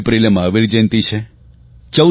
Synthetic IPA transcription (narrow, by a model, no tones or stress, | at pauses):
pɾilmãəʋiɾd͡ʒent̪it͡ʃʰe | t͡ʃə